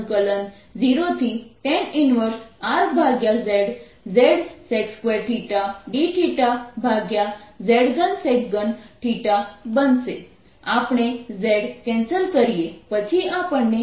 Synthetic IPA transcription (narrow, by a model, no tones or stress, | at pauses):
kələn | d͡ziɾot̪ʰit̪ẽninʋəɾsaɾbʱaɡjad͡zeɽ | d͡zeɽsekskʋeɾʈʰiʈaɖiʈʰiʈabʱaɡjad͡zeɽɡənsekɡənʈʰiʈabənse | apɳ̃ed͡zeɽkɛ̃nsəlkəɾijepət͡ɕʰiapəɳːe